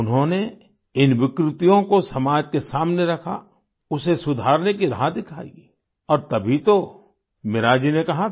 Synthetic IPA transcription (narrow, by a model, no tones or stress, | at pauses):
ʊnɦõne | ɪnʋɪkɾɪt̪ijõkosɐmaːd͡ʒkesaːmneɾɐkʰa̰ | ʊsesʊd̪ʱaːɾnekiɾaɦad̪ɪkʰa̰ːḭ | ɔːɾt̪ɐbʱit̪o | mɪɾaːd͡ʒinekɐɦa